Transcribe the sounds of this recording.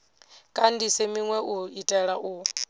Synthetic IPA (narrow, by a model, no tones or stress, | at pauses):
kʼandisɛmiŋwɛʔuitʼɛɺaʔu